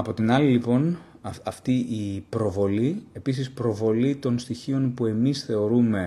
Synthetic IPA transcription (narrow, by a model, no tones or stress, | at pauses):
ɐpo̞t̪inɐlilipo̞n | ɐft̪iʔːpɾo̞vo̞lie̞pisispɾo̞vo̞lit̪o̞nst̪içio̞npue̞misθe̞o̞ɾume̞